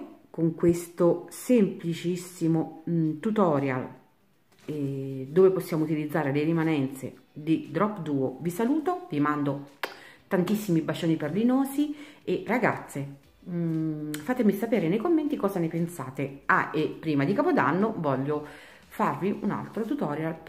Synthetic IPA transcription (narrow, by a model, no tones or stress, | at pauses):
koŋkwest̪osemplit͡ʃisːimot̪ut̪ɔːɾja̰l | d̪oːveposːjaːmout̪ilid̪zːaːɾeleɾimanɛnt̪sḛd̪id̪ɾɔpːd̪uːovisaluːt̪ovimand̪ot̪ant̪isːimibat͡ʃoːniperlinoːzieraɡa̰t̪sːe | faːt̪emisapeːɾenejkomːent̪ikɔːzanepensaːt̪ea̰ʔepːɾiːmad̪ikaːpod̪a̰nːovɔʎːo | farviʔuna̰lt̪ɾot̪ut̪ɔːɾjal